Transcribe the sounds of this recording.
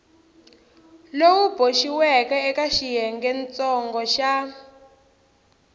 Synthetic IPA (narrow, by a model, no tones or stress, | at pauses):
lowub̥oʃiwɛkɛɛkaʃijɛŋɡɛnt͡sɔŋɡɔʃa